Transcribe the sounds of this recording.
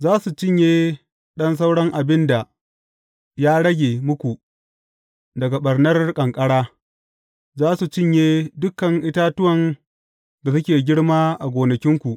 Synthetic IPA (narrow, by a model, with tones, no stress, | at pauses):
zaː˦su˨t͡ʃɪ˦ɲjeː˦ | ɗɐ˦ns̬a˦wɽɐ˦ŋʔa˨bɪ˦nda˨ | jaː˦ɽɐ˦ɡʲeː˨mʊ˦kʷu˨ | dɐ˨ɡa˨ɓɐ˨rnɐ˦rkʼɐ˨ŋkʼɐ˦ɽaː˦ | zaː˦su˨t͡ʃɪ˦ɲjeː˦dʊ˦kɐ˨ŋʔɪ˦taː˦tʊ˦wɐ˨n | da˨sʊ˦kʲeː˨ɡʲɪ˦ɽmaː˦ʔa˨ɡʷoː˨nɐ˨kʲɪ˦ŋkʷu˨ʔ